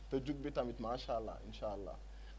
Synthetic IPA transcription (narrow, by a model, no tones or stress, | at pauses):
t̪əd͡ʑuk̚bet̪amit̪maɕalːa̰ḭnɕaːlːa̰